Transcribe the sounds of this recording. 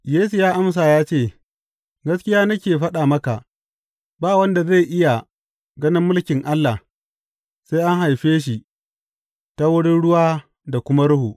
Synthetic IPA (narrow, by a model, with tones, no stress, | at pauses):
jeː˦su˨jaː˦ʔa˦ms̬aː˨jaː˦t͡ʃeː˦˨ | ɡɐ˦skʲɪ˦jaː˦nɐ˦kʲeː˨ɸɐ˦ɗaː˨mɐ˦ka˨ʔ | baː˦˨wɐ˦nda˨za˦˨jʔɪ˦ja˨ | ɡɐ˦nɪ˦mːʊ˦lkʲɪ˨ŋʔa˦lːa˨ | sa˦jʔa˦ŋɦa˨jɸeː˦ʃ̬i˨ | ta˦wʊ˦ɽɪ˦nɽʊ˦waː˦ | da˨kʷʊ˦ma˦ɽʊ˦hu˨ʔ